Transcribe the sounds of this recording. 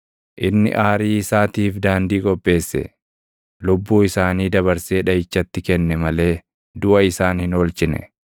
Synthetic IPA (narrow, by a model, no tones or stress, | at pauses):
ʔɪnːɪ̰ʔaːɾiːɪsaːt̪iːfd̪aːnd̪iːɡɔbːe̞ːsːɛ̰ | lʊbːuːɪsaːniːd̪ɐβɐɾseːᶑɐjɪt͡ʃːɐt̪ːɪkɛnːɛmɐle̞ː | d̪ʊʔɐɪsaːnhɪnoːlt͡ʃɪnɛ̰